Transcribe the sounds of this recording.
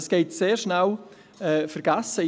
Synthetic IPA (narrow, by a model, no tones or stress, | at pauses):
sɡ̥eɪtseːrʃnaw | ɛːfəɾɡ̥asə